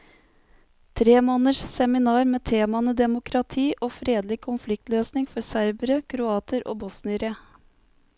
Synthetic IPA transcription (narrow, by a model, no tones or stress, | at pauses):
t̪ʰɾeːmoːnəʂsɛmɪnɑːɾmeːt̪ʰeːmɑnəd̪ɛmʊkʰɾɑt̪ʰiːʔoːfɾeːd̪lɪkʰʊnflɪk̚t̪løːsnɪŋfɔɾsæɪɾbəɾəkʰɾʊɑːt̪ʰəɾo̰ːbɔsnɪɾeː